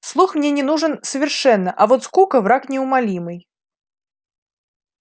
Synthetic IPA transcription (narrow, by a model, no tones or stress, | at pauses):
slˠuxmnʲenʲɪnuʐɨnsəvʲɪrʂɛnːəʔɐvot̪skukəvɾaknʲɪʊmɐlʲimɨj